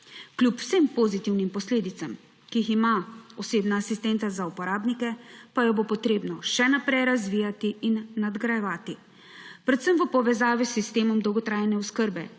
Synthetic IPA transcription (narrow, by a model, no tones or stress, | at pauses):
klʲupw̥sempozit̪iwnimpɔsleːd̪it̪sam | kiiximaɔseːbnaːsist̪ɛnt̪sazaupɔɾaːbnikɛpajɔbopɔt̪ɾeːbnɔʃɛnapɾɛjɾazʋiːjat̪iinːad̪ɡɾajɛʋaːt̪i | pɾɛt̪səmʋəpɔʋɛzaːʋisːist̪eːmɔmd̪ɔwɡɔt̪ɾaːjɛnɛuskəɾbɛ